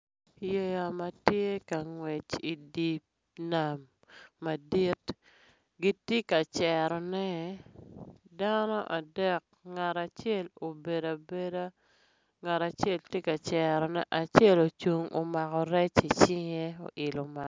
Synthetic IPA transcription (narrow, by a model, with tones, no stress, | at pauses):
je˦ja˨ma˨tje˦ka˨ŋwɛ˨t͡ʃi˨di˨p̚ | na˨mː | a˨di˦t | ɡi˦tje˦ka˨t͡ʃɛ˨ɾɔ˨nɛ˦ | da˦nɔ˦ʔa˨dɛ˦˨k̚ | ŋa˨ɾa˨t͡ʃɛ˦lo˨be˨da˨be˦da˦ | ŋa˨ɾa˨t͡ʃɛ˦ltje˦ka˨t͡ʃɛɾɔ˨nɛ˦ʔa˨t͡ʃɛ˦lo˨t͡ʃu˨ŋo̰˨ma˨kɔ˨ɾɛ˦t͡ʃi˨t͡ʃɪ˦ŋe˦o̰˨ʔɪ˨lo˨ma˨˦